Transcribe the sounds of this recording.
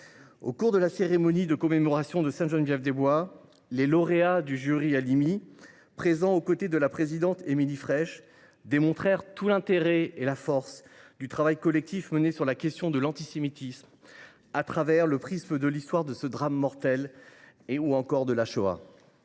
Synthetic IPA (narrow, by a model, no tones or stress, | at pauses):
o̰kuʁd̪əlaseʁemɔnid̪əkɔmemɔʁasjɔ̃d̪əsɛ̃ʒɔnvjɛfd̪ebwa | lelɔʁead̪yʒyʁialimi | pχezɑ̃okot̪ed̪əlapχezid̪ɑ̃t̪emilifχɛʃ | d̪emɔ̃t̪χɛʁt̪ulɛ̃t̪eʁɛelafɔʁsd̪yt̪χavajkɔlɛk̚t̪ifmənesyʁlakʲɛst̪jɔ̃d̪əlɑ̃t̪isemit̪ism | at̪χavɛʁləpχisməd̪əlist̪waʁd̪əsəd̪ʁamːɔʁt̪ɛleuɑ̃kɔʁd̪əlaʃoa̰